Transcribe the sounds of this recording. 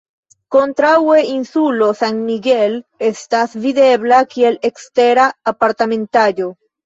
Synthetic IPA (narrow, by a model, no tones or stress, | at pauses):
kont̪ɾaweinsulosaŋmiɡelest̪asviðeβlakielekst̪eɾaːpaɾt̪amẽnt̪aʎo